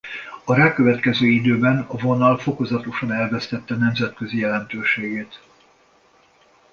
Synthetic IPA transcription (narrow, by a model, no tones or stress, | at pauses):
ɒɾaːkøvɛt̪kɛzøːid̪øːbɛnɒvo̞nɒlfo̞ko̞zɒt̪o̞ʃɒnɛlvɛst̪ɛt̪ːɛnɛmzɛt̪kø̞zijɛlɛnt̪øːʃeːɡeːt̪